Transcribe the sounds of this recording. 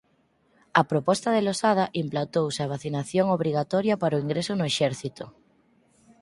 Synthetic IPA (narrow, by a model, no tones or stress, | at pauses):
ɐpɾopɔst̪ɐðelosað̞ɐʔimplant̪owsɪɐβ̞aθinaθjoŋoβ̞ɾiɣ̞at̪ɔɾjɐpaɾoiŋɡɾesʊnʊeʃɛɾθit̪ʊ